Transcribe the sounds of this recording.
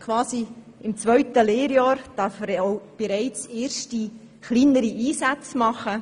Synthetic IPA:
kʰʋɑːsi | ɪmt͡svœʏtəleːɾjɑːɾd̥ɑɾfəɾoʊb̥eɾæɪt͡seːɾʃti | χliːnəɾiʔiːsat͡smɑχə

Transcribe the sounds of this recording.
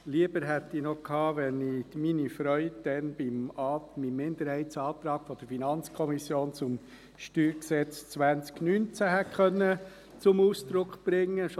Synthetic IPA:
liəbəɾɦɛt̪ːinɔkʰhɑːʋɛniminifɾœʏdd̥ɛnb̥ɪmɑːmimːɪnd̪əɾhɛɪtt͡sɑːt̪ɾɑːɡ̥fɔd̥əɾfinɑnt͡skʰɔmisjoːnt͡sʊm | ʃtyːɾksɛt͡st͡sʋænt͡sknynt͡sæhɛkʰχœnːə | t͡sʊmuːsd̪̥ɾʊkχb̥ɾɪŋːəʃ

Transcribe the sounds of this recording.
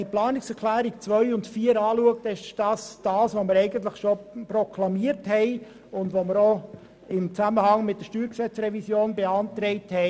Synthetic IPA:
iplɑːnɪksɛklæːɾikt͡sʋœʏʊndfiːəɾɑːluəktɪʃd̥ɑːsd̥ɑːsʋoməɾɛɪɡənt̪ləχʃoprɔkʰlɑmiəɾthɛɪ | ʊndʋoməɾo | ɪmt͡sæməhɑŋmɪt̚dəɾʃtyːɾksɛt͡sɾɛvisjoːnbeɑnt̪ɾɛɪthɛ

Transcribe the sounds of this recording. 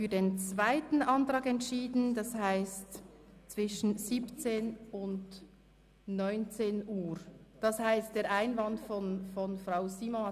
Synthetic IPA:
fyːɐdeːnt͡svaɪtn̩ʔɑntʁɑːkɛntʃiːdn̩d̥ɑshaɪstt͡sv̥ɪʃn̩ziːpt͡seːnʊnd | nɔʏnt͡seːnʔuːɾd̥ɑshaɪst̚d̥eːɾʔaɪnvɑndfɔnfɔnfraʊziːmɔn

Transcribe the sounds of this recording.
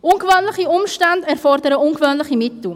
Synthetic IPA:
ʔʊnɡvøːnləχiʊmʃtandɛɾfɔrdəɾəʊnɡvøːnləχimɪtl̩

